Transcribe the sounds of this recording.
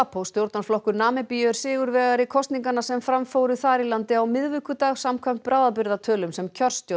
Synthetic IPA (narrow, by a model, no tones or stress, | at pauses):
apʰowst̪jowɾt̪naɾ̥flɔhkʏɾnaːmɪpijʏʏɾ̥sɪːɣʏɾvɛːɣaɾikʰɔst̪niŋkanasɛmfɾamfoːwɾʏθaɾilant̪ɪawmɪðvʏkʏt̪aːɣsamkʰvɛm̥t̪̚pɾaːwðapɪɾðat̪ʰœːlʏmsɛmcʰœr̥st̪jo